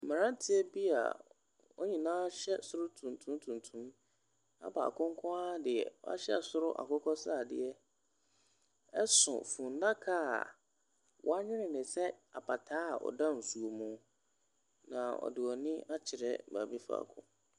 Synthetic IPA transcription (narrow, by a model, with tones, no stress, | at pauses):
m̩˨mã˨ɾã˦n˦tʰɪ˦ɛ˦bi˦a̰˨ | wɔ˦ɲĩ˨nãː˦ɕɛ˦sʊ˦ɾʊ˦tʰũ˨ntʰũ˦m˦tʰũ˨ntʰũ˦m | a̰˦ba̰˨a̰˨kʰʊ̃˦ŋ˦kʰɔ̃˦a˦dɪ˨ɛ̰˨w̰a̰˦ɕɛ̰˦˨sʊ˦ɾʊ˦ʔa̰˨kʊ˦kʰɔ˦sa˨dɪ̰˨ɛ˦ | ɛ˦sʊ̰˨fũ˨n˦dã˦kʰa̰˦˨ | wʔɔ˦a˦ɲɪ̃˦ɾɪ̃˨nɪ̃˨sɛ˦a˨pʰa˨tʰaː˦a˨ʔɔ̰˨dã˦˨n̩˨su˨o˨mũ˨˦ | nã˨ɔ̰˨dɪ˨ɔ˨nɪ̃˦a˦t͡ɕʰɪ˨ɾɛ̰˦˨ba̰˨bi˦fa̰ː˨kʰʊ̰̃˦